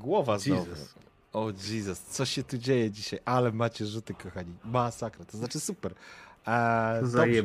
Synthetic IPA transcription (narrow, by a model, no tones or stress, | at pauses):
ɡwɔvazɔv̰ | ɔd͡ʑizɛst̪sɔɕɛt̪ud͡ʑejɛd͡ʑiɕajʔalɛmat͡ɕɛʐut̪ɘkɔxaɲimasakɾat̪ɔznat͡ʂɘsupɛɾ | d̪ɔjɛ